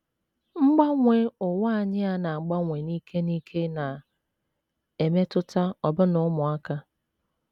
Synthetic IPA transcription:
ŋ͡m̩˦ɡ͡ba˦ŋʷe˨ʊ˨ŋa˦a˨ɲɪ˦a˦na˨ŋ͡m̩˨ɡ͡ba˦ŋʷe˨niː˦kʰe˦ni˦kʰe˦na˨ | e˨me˦tʊ˦ta˦ɔ˨bʊ˦nʊ˦mʊ˨a˦ka˦

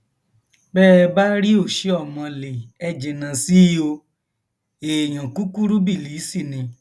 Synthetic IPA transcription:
bɛː˦˧ba˦ɾi˦o˦˨ʃe˨˦ɔ˦˨mɔ̃˧le˨ɛ˦˧d͡ʒɛ˨nã˨˧si˦o˧ | eː˨j̃ã˨ku˦ku˦ɾu˦bi˦˨li˨˦si˦˨nĩ˧˦

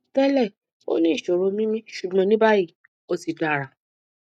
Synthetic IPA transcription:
fɛ˦lɛ˦˨ | o̰˦nĩ˦i˦˨ʃo˨ɾo˧mĩ˦mĩ˦ʃu˨ɡ͡bɔ̃˨˧˦nĩ˦ba˦ji˦˨ | o˦si˨da˨ɾa˨

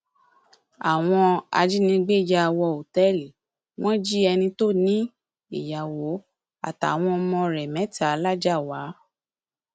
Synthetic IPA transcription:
a˨w̃ɔ̃˧a̰˧d͡ʒi˦nĩ˧ɡ͡be˦˨d͡ʒa˧wɔ˧o˨tɛ˦li˨ | w̃ɔ̃˦d͡ʒi˦ɛ˧nĩ˧to˦˨nĩ˦ | i˨ja˨wo˨˦ | a̰˨ta̰˨w̃ɔ̃˧ɔ˧mɔ̃˧ɾɛ˨mɛ̃˨˦ta˦˨˧la˦d͡ʒa˦˨wa˨˦

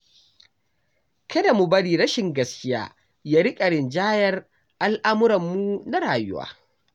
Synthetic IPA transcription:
kʰɐ˦da˨mu˨bɐ˦ɽiː˨ɽɐ˦ʃɪ˨ŋɡɐ˦skʲɪ˦ja̰ː˦ | jaː˦ɾɪ˦kʼɐ˨ɽɪ˨nd͡ʒaː˦jɐ˦r | ʔa˦lʔa˦mʊ˦ɾɐ˨mːu˦na˦ɽaː˨jʊ̰˦wa̰ː˦

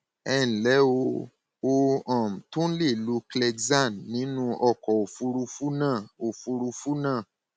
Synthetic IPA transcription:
ɛ˦˨n̩˨lɛ˨˦o˧ | o˦˧ã˨m̩˨tũ˦le˦˨lu˨˦klɛ˧ɡza˦˨nːĩ˨˦nũ˦ɔ˧˨kɔ˨o˨fu˧ɾu˧fu˦nã˦˨o˨fu˧ɾu˧fu˦nãː˦˨

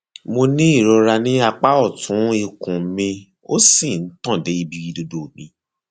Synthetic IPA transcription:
mo˧nĩ˦i˦˨ɾɔ˧ɾa˧nĩ˦a˧k͡pa˦ɔ˦˨tʰũ˨˦i˦˧kũ˨˦mĩ˧ | o˦sĩ˦˨n̩˦tɔ̃˦˨de˨˦i˧bi˧wi˧do˧do˨mĩ˨˧˦

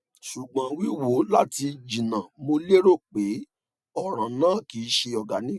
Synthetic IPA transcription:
ʃu˨ɡ͡bã˨˦wi˦wo˨˦la˦ti˧d͡ʒĩ˨nã˨mo˧le˦ɾo˦˨k͡pe˨˦ | ɔ˦˨ɾ̃ã˨nãː˦˨ki˨˦ʃe˧ɔ˨ɡa˨˦nĩ˦

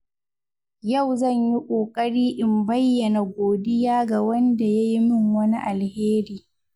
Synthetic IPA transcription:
jɐ˦˨wzɐ˦˨ɲji˦kʷʼoː˨kʼɐ˦ɽiː˦ʔɪ˨mbɐ˦jːɐ˨na˨ɡʷoː˨dɪ˦jaː˦ɡa˨wɐ˦nda˨ja˦ji˦mɪ˦ŋwɐ˦ni˦ʔa˨lheː˦ɾiː˦

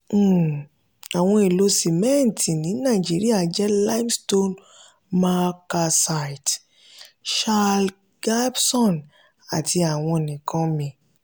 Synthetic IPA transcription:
a˨w̃ɔ̃˧i˨lo˧si˨mɛ̃˦˨n˨tʰĩ˨nĩ˨˦nã˦˨d͡ʒi˨˦ɾi˦a˦˨d͡ʒɛ˦la˦msto˦n | ma˦ka˧sa˧i˨t | ʃa˦˧l | ɡa˦bsɔ̃˦˨n | a˨tʰi˧a˨w̃ɔ̃˧˨nĩ˨kʰã˨˦mĩ˧

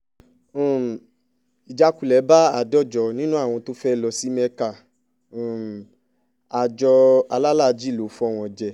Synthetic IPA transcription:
i˨d͡ʒa˨˧ku˦˨lɛ˨˦ba˦a˦˨dɔ˦˨d͡ʒɔ˧nĩ˦nũ˦a˦˨w̃ɔ̃˧to˦fɛ˦˨lɔ˧si˦mɛ̃˧kã˨ | a˨d͡ʒɔ˧a˧la˦la˦˨˧d͡ʒi˦˨lo˨˦fɔ˦˨w̃ɔ̃˧d͡ʒɛ˨

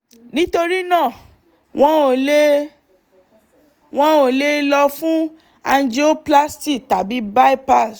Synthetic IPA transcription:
nĩ˦to˧ɾi˦nãː˦˨ | w̃ɔ̃˦o˨le˦ | w̃ɔ̃˦o˨le˦lɔ˧fũ˦ | a˧nd͡ʒi˦o˦pla˦sti˦˨ta˨bi˨˦ba˦i˦pa˦˨s

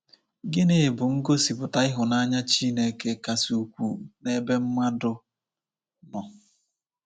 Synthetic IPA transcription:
ɡɪ˦ne˨bʊ˨ŋ̩˦ɡo˦si˨pʊ˨ta˦ɪ˦ɦʊ˨na˦ɲa˦t͡ʃi˦ne˨ke˦ka˨su˨kʷṵ˨ne˦be˦m̩˦ma˦dʊ˦ | nɔ˨

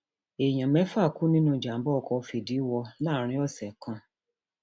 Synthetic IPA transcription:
e˨j̃ã˨mɛ̃˨˦fa˦˨ku˦nĩ˦nũ˦˨d͡ʒa˨m̩˦bɔ˦ɔ˧˨kɔ˧fi˨di˨˦wɔ˧la˦˨˦ɾ̃ĩ˧˦ɔ˦˨sɛ˨kã˧

